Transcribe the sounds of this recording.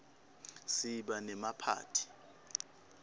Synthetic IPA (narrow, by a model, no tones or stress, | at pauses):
siɓanɛmapʰa̰ːtʰi̥